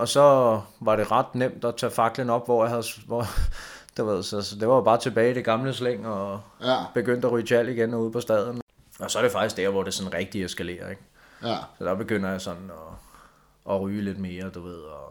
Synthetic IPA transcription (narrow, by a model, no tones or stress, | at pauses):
ɒ̽sɒ̽ʋɑ̈ɾe̝ʁɑ̈d̥nem̰d̥ɒt͡sʰɛ̰fɑ̈ɡ̥lənɒ̽b̥ʋɒjɑ̈hæðˠʋɒ | d̥uʋe̝ð̞̰ˠsɒ̽sɒd̥e̝ʋɑ̈job̥ɑ̈ːt͡sʰe̝b̥ɛːɪiɾ̥e̝ɡ̥ɑ̈mləsleŋ̰ɒb̥e̝ɡ̥øn̰d̥æʁyːt͡sʰæl̰iɡ̥enɒuð̞̰ˠpʰɒ̽sd̥ɛð̞ˠn̩ | ɒ̽sɒ̽æɐɾ̥e̝fɑ̈ɡ̥isɡ̥d̥æɐ̰ʋɒɾ̥e̝sɒ̽n̩ʁɛɡ̥̚d̥iesɡ̥æle̝̰ːɐeɡ̥ | sɒd̥ɑ̈b̥e̝ɡ̥øn̰ɐjɑ̈sɒ̽nn̩ɒ | ʔɒʁyːle̝d̥me̝ːɐd̥uʋe̝ð̞̰ˠɒ